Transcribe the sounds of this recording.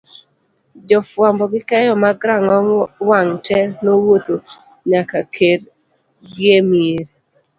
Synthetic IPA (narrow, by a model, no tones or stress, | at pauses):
d͡ʒɔfwambɔɡɪkɛjɔmaɡɾaŋɔwaŋtʰɛnowot̪o | ɲakakʰeɾ | ɡjemieɾ